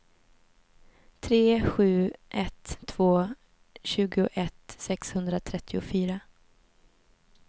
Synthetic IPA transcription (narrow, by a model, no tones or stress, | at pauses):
t̪ʰɾeːɧʉ̟ːʔɛt̪ʰːv̥oː | ɕʉ̟ːɡʊʔɛt̪sɛkshɵnd̪ɾat̪ʰɾɛt̪ʰːɪʊfyːɾa